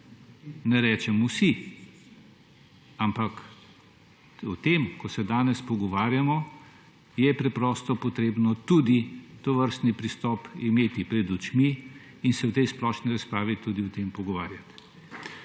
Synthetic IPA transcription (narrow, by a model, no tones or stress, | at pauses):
nɛɾɛːt͡ʃɛmusi | ampak | ɔt̪emkɔsɛd̪aːnɛspɔɡɔʋaːɾjamɔ | jɛpɾɛpɾɔːst̪ɔpɔt̪ɾeːbnɔt̪ud̪it̪ɔʋəɾst̪nipɾist̪ɔːpimeːt̪ipɾɛd̪ut͡ʃmiː | nsɛwt̪ɛjsplɔʃniɾaspɾaːʋit̪ud̪iɔt̪empɔɡɔʋaːɾjat̪